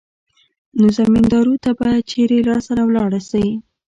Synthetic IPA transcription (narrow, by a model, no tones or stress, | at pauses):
nozamind̪ɑɾut̪abɑjad̪̚t͡ʃeɾelɑsaɾawlɑɽasawi